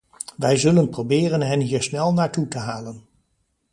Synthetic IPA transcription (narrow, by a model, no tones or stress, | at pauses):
ʋɛjzɵlənprowbɪːrənɦɛnɦiːɹsnɛlˠnaːɹtutəɦaːlən